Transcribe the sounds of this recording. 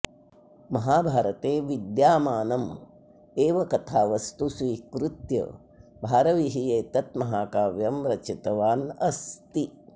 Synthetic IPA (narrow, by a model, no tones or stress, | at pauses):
mɐɦaːbʱaːɾɐt̪eːʋid̪jaːmaːnɐm | eːʋɐkɐt̪ʰaːʋɐst̪usʋiːkɾut̪jɐ̰ | bʱaːɾɐʋiɦijeːt̪ɐt̪mɐɦaːkaːʋjɐmɾɐt͡ʃʰit̪ɐʋaːnɐst̪i